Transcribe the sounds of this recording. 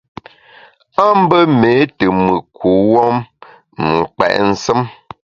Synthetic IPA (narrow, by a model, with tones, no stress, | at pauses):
a˦m̩˦bə˦me˨˦tə˨mɨ˨kʰu˨˦wɔ˦m | ŋ̩˨k͡pɛ̰˨ʔn̩˦sə˦m